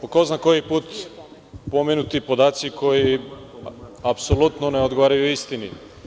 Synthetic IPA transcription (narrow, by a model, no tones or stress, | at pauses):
okoznakojipuːt̪ | pomenut̪ipo̞d̪aːt̪sikʰo̞ji | apsolut̪noneod̪ɡoʋaːɾajuist̪ini